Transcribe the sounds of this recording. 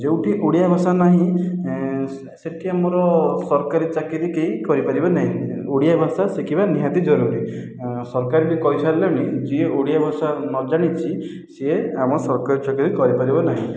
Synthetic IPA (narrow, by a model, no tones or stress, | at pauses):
d͡ʒewʈiʔoɽijabʱasanaɦĩ | seʈʰiamɔɾɔsɔɾkaɾit͡ʃakiɾikeikɔɾipaɾibanaɦĩoɽijabʱasasekibaniɦat̪id͡ʒɔɾuɾi | sɔɾkaɾilikɔjsaleɽ̃id͡ʒieoɽijabʱasanɔd͡ʒaɽ̃it͡ʃʰi | seeamɔsɔɾkaɾit͡ʃakiɾikɔɾipaɾibɔnaɦḭ̃